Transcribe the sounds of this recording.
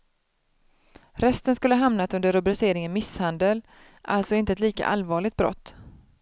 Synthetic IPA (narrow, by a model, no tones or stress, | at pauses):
ɾɛst̪ənskɵlːəɦamnat̪ɵnd̪əɾɵbɾɪseːɾɪŋənmɪshand̪əl | ʔa̰lt̪sɔɪnt̪əɛt̪liːka̰ʔa̰lvɑːɭɪɡt̪̚bɾɔ̰t̪ː